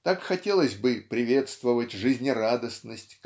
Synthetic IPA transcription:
t̪akxɐtʲelˠəsʲbɨpɾʲɪvʲe̞t̪st̪vəvətʲʐɨzʲnʲɪrad̪əsnəsʲtʲk

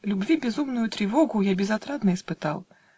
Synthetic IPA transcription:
lʲubʲvʲibʲɛzumnujut̪ɾɨvɔɣujabʲɛzat̪ɾad̪nɐispɨt̪aw

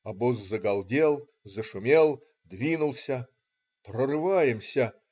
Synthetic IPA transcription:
ɐbozːɐɡɐlˠdʲe̞lˠ | zɐʂʊmʲe̞lˠ | d̪vʲinʊlˠsʲɐ | prɐrɨvajɪmsʲɐ

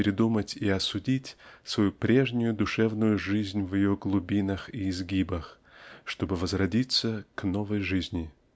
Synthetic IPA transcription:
ɪɾʲɪd̪umətʲiɐsʊdʲitʲsvɐjupɾʲe̞ʐnʲʊjʊd̪ʊʂɛvnʊjʊʐɨzʲnʲvjɪjoɡlˠʊbʲinəxiːzɡʲibəx | ʂt̪o̞bɨvəzrɐdʲit̪səknovəjʐɨzʲnʲɪ

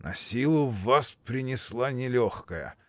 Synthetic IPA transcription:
nɐ̰sʲilˠʊvːaspɾʲɪnʲɪslˠanʲɪlʲoxkəjə̰

